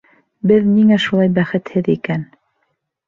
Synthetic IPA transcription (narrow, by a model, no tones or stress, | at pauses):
bɘðniŋæʃulˠɑjbæχɘ̆t̪hɘðikæn